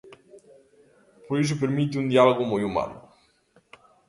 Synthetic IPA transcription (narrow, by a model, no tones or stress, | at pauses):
poɾis̬ʊpeɾmit̪̬ɪund̪ialoɣʊmojuma̰lʊ̰